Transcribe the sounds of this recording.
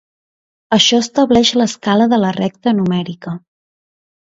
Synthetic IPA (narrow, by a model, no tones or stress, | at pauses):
əʃɔəst̪əβlɛʃləskaləðələrɛk̚t̪ənumɛɾikə